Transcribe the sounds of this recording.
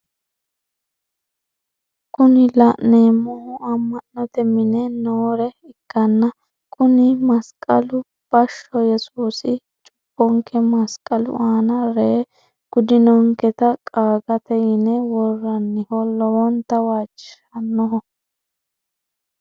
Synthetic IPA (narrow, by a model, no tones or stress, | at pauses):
kʊnɪlɐʔneːmɔhʊɐmːɐnːɔt̪ɛmɪnɛnoːɾɛɪkːɐnːɐ | kʰʼʊnɪmɐskʼɐlʊ | b̥ɐʃːɔjɛsuːsɪ | t͡ʃʼʊ̥pːɔŋkʰɛmɐskʼɐlʊ̰ʔaːnɐɾeː | ɡ̥ʊd̪ɪnɔŋkɛt̪ɐkʼaːɡɐt̪ɛjɪnɛwɔrːɐnːɪhɔlɔwɔnt̪ːɐwaːt͡ʃʼːɪ̥ʃɐnːɔɦɔ